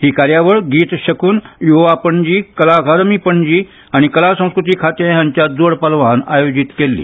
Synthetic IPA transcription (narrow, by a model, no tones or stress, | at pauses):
hiːkaɾjaʋəɭɡiːt̪ɕəkuːnjuɦoʋapəɳd͡ʑiːkəlaɡʱaɾmiːpəɳd͡ʑiː | aɽ̃ikəlasə̃w̃skɾut̪̬iːkʰat̪ejãɲt͡ɕjad͡zoɽpalʋana̰jod͡ʑit̪kelːḭː